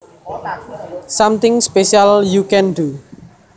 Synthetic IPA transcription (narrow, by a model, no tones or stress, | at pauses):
samt̪ɪ̃ŋspeʃialjukɛ̃nɖu